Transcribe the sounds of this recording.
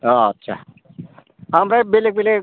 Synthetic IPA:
ɔətːʃʰa̰ | ɦəmɾabelek̚bele

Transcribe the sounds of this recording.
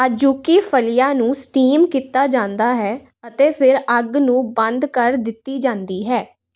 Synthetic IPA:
ad͡ʒuːkiːpʰəlijaːnũːsʈiːmkiːt̪ːaːd͡ʒãːnd̪aːɦɛː | ət̪eːpʰɪɾəɡnũːbə̃nd̪kəɾd̪ɪt̪ːiːd͡ʒãːnd̪iːɦɛː

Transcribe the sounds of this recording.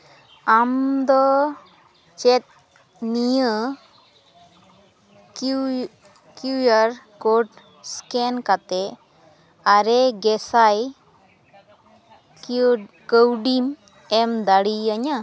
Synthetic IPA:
amd̪ɔ | t͡ʃɛt̪̚ | nijə | kujaɾkoɖ | skɛnkat̪ɛ | aɾɛɡɛsaj | ɡəwɖim | ɛmd̪aɽiaɲa

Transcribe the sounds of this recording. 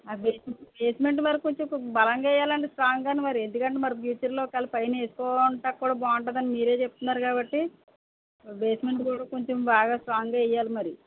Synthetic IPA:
abeːsbeːsme̞ɳʈmɐɾikoɲt͡ʃembɐlɐŋɡaːɛjːaːlɐɳʈesʈɾaːŋɡaːnimɐɾie̞nd̪ukɐɳʈemɐɾpjuːt͡ʃɐɾlo̞ːkaːlipɐjneːsu̥kɔːuɳʈaːkːuːɽaːbaːuɳʈad̪ɐnimiːɾe̞ːt͡ʃep̚ut̪unːaːɾukaːbɐʈːi | be̞ːsme̞ɳʈkuːɽaːko̞ɲt͡ʃembaːɡaːsʈɾaːŋɡaːɛjːaːlimɐɾi

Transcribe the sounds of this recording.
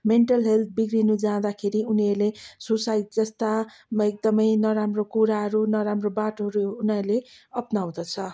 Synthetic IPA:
meɳʈʌlɦelt̪̚ʰbiɡrinud͡zãd̪akʰeɾiuniʌrlesosaitd͡zʌst̪a | mʌek̚d̪ʌmʌjnʌɾamrokuɾaɦʌɾunʌɾamrobaʈoɦʌɾuːniʌrleʌpnaw̃d̪ʌt͡sʰʌ

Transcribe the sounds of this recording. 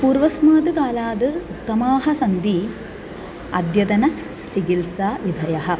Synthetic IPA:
puːɾʋɐsmaːd̪ɨkaːlaːd̪ɨut̪ːɐmaːɦɐsɐnd̪i | ɐ̰d̪jɐd̪ɐnɐ | t͡ʃikilsaːʋid̪ʱɐjɐɦɐ̆

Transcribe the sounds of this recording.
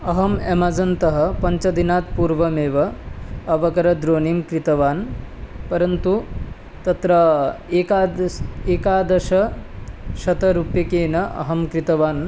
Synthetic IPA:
ɐɦɐmemaːd͡zɐnt̪ɐɦɐ̆pɐɲt͡ʃɐd̪inaːt̪̚puːɾʋɐmeːʋɐɐʋɐkɐɾɐd̪ɾoːniːmkɾit̪ɐʋaːnpɐɾɐnt̪u | t̪ɐt̪ɾɐeːkaːeːkaːd̪ɐʃɐ | ʃɐt̪ɐɾupjɐkeːnɐʔɐ̰ɦɐmkɾit̪ɐʋaːn

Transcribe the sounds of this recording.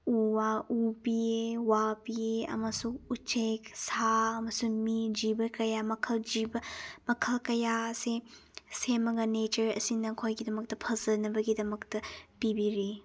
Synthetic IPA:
uwaubiewapieɐ̰mɐsuːt͡ʃʰeksaɐmɐsumid͡ʒibɐkɐjamɐkʰɐld͡ʒibɐmɐkʰɐlkɐjase | semɐɡɐnet͡ʃɐɾɐ̰sinɐkʰojɡidɐmɐk̚tɐpʰɐzɐnɐbɐɡidɐmɐktɐpibiɾi

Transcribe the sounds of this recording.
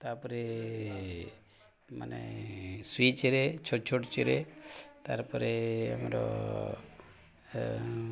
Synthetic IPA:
t̪apɔɾe | manḛswit͡ʃeɾet͡ʃʰoʈt͡ʃʰoʈt͡ʃeɾet̪aɾpɔɾea̰mɾo̰

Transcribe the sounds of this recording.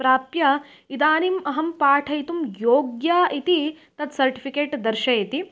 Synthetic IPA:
pɾaːpjɐ | id̪aːnimɐɦɐmpaːʈʰɐjt̪umjoːɡjaːʔit̪i | t̪ɐt̪sɐɾʈipʰikeːʈd̪ɐɾʃɐjɐt̪i

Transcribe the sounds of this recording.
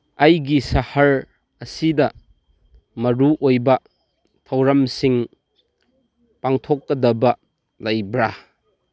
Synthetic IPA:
ɐjɡisɐhɐɾ | ɐsidɐ | mɐɾuʔojbɐ | tʰɐwɾɐmsiŋ | paŋtʰɔkːɐdɐbɐ | lajbɾa

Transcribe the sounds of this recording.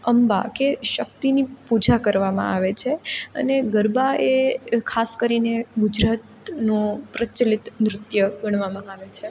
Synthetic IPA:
əmba̰keʃək̚t̪inipud͡ʒakəɾʋamã̰aʋet͡ʃʰeə̰neɡəɾbaekʰaskəɾineɡud͡ʒɾat̪ | nũpɾət͡ʃəlit̪nɾʊt̪jəɡəɳ̃ʋamãaʋet͡ʃʰe

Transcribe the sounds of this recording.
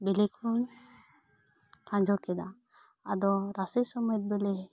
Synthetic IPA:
bɛlɛkʰɾun | kʰãd͡ʒʱɔkɛd̪a | ad̪ɔɾasɛsɔmɔt̪̚bɛlɛ

